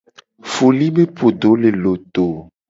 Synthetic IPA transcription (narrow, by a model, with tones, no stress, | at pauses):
fo˨li˦be˦pʰo˨ɖo˨˦le˨lo˨t̪o˨